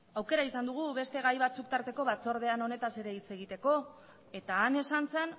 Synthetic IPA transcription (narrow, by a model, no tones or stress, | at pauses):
awke̞ɾaisand̪uɣ̞uβe̞st̪e̞ɣajβat͡suk̚t̪aɾt̪e̞ko̞βat͡so̞ɾð̞e̞ano̞ne̞t̪ase̞ɾe̞it͡se̞ɣ̞it̪e̞ko̞ | e̞t̪aːne̞sant͡se̞n